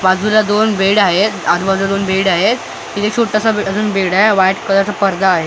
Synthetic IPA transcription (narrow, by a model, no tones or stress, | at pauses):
bad͡zulad̪onbeɽaɦet̪ad̪ubad͡zulad̪onbeɽaɦet̪ː | it̪ʰet͡ɕʰoʈːasaəd͡zuːnbeɽaʋajʈkəd̪ɾt͡sapəɾd̪aːɦe